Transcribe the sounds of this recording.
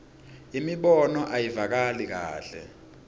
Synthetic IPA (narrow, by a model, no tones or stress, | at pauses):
imiɓɔnɔʔajivak̬alik̬a̰ːɬɛ̰